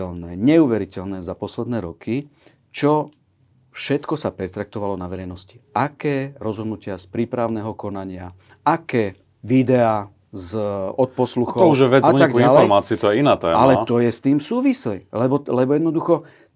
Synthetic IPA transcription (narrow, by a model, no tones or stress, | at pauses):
ɛlnɛːɲɛuʋɛɾicɛlnɛːzapɔslɛd̪nɛːɾɔkʰi | t͡ʃɔ | fʃɛt̪kɔsapɛt̪ɾak̚t̪ɔʋalɔnaʋɛɾɛjnɔsci̥akɛːɾɔzɦɔd̪nucɪaspɾiːpɾaʊnɛːɦɔkɔnaɲɪa | akɛː | ʋid̪ɛaː | zɔt̪̚pɔsluxɔɔuʒɛʋɛd͡zaaɡialɛɔɾmaːt͡siut̪ɔjɛinaːt̪ɛ̰ːmalɛat̪ɔjɛst̪iːmsuːʋisɛjlɛbɔlɛbɔjɛd̪nɔd̪uxɔ